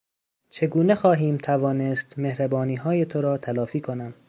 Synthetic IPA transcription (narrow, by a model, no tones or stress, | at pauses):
t͡ʃʰe̞ɡuːnexɒːɦiːmt̪ʰævɒːnest̪mehɾæbɒːniːɦɒːjet̪ʰoɾɒːt̪ʰælɒːfiːkʰonæm